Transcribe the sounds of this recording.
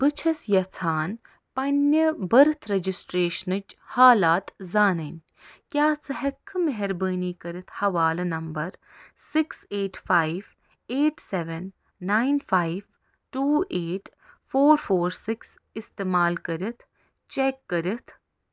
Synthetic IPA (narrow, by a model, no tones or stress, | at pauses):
b̥ɨt͡ʃʰɐsjɐt͡s̪ʰaːn | pɐnjɐbɐɾɨt̪ʰɾɐd͡ʒisʈɾeːʃnɨt͡ʃhaːlaːt̪zaːnɐnʲ | kjaːsɐɦɐkʰːɨmeɦɛɾbəːniːkɐɾɨt̪ʰhɐʋaːlɐnɐmbɐɾ | sɪkseːʈfaːiʋ | eːʈseʋənː | aːinfʰaːiʋ | ʈuːeːʈ | fʰoːɾfʰoːɾsɪks | ɪst̪eːmaːlkɐɾɨt̪ʰ | t͡ʃekːɐɾɨt̪ʰ